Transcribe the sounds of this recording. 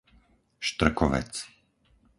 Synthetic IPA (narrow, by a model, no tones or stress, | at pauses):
ʃt̪r̩kɔʋɛ̰t͡s